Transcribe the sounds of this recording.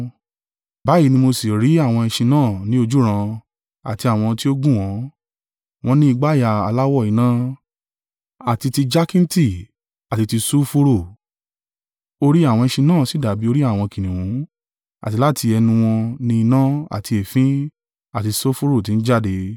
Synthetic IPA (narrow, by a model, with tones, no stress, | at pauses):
ba˨˦i˦˧nĩ˧mo˧si˨ɾi˨˦a˦˨w̃ɔ̃˧ĩ˧ʃĩ˧nãː˦˨nĩ˦o˧d͡ʒu˦ɾ̃ã˧ | a̰˨ti˧a˨w̃ɔ̃˧ti˦o˦ɡũ˦˨w̃ɔ̃˨˦ | w̃ɔ̃˧˦nĩ˦i˧ɡ͡ba˦ja˨a˨˧la˦wɔ˦˨i˨˦nã˦ | a˨ti˧ti˧d͡ʒa˦kĩ˦n̩˦ti˦˨ | a˨ti˧ti˧so˦fo˦ɾo˦˨ | o˧ɾi˦a˦˨w̃ɔ̃˧ĩ˧ʃĩ˧nãː˦˨si˨˦˨da˨bi˨˦o˧ɾi˦a˦˨w̃ɔ̃˧kĩ˨nĩ˨wũ˨˦ | a̰˨ti˧la˦ti˧ɛ˧nũ˧w̃ɔ̃˧nĩ˧i˧nã˦a̰˦˨ti˧e˨fĩ˦ | a˨ti˧so˦fo˦ɾo˦˨ti˨˧n̩˦d͡ʒa˦˨de˧